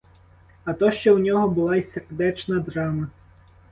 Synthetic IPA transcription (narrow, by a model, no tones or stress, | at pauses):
ɐt̪ɔʃt͡ʃɔwnʲɔɦɔbʊlˠɑisʲerd̪ɛt͡ʃnɐd̪ɾɑmɐ